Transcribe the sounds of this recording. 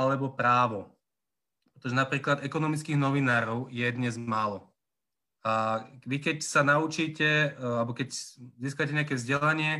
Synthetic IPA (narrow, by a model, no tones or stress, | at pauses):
alɛbɔpɾaːʋɔ | pɾɛt̪ɔʒɛnapɾiːklad̪ɛkɔnɔmit͡skiɣnɔʋinaːɾɔʊjɛd̪ɲɛzmaːlɔ | aʋikɛcsanaut͡ʃiːcɛalɛbɔkɛcziːskacɛɲɛakɛvzɟɛlaɲɪɛ